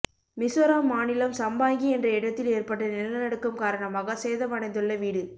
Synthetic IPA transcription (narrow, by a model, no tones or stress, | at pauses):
mɪsɐɾaːmːaːnɪlɐmsɐmbaːŋɡiɛndrɐɪɽɐt̪ːɪleːrpɐʈːɐnɪlnɐnɐɽɯkːɯmkaːɾɐɳɐmaːɣɐseːðɐmɐɽɐɪnd̪ɯɭːɐʋiːɽɯ